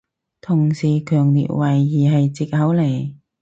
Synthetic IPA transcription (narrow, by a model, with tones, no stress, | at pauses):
t̪ʰʊ˨˩ŋsiː˨˩kʰœː˨˩ŋlḭː˨t̚wɐ˨˩jːiː˨˩ɦɐ˨jt͡siː˨˩k̚hɐ˨˥wle˨˩j